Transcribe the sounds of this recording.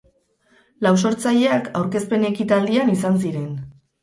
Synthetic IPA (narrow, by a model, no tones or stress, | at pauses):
laws̬o̞ɾt͡saʎe̞akʰawɾke̞spe̞ne̞kit̪ald̪ianisans̬iɾe̞n